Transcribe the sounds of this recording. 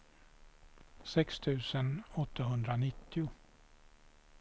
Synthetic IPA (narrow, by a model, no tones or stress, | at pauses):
sɛkst̪ʰʉ̟ːsənɔt̪ʰːaɦɵnd̪ɾanɪt̪ːɪʊ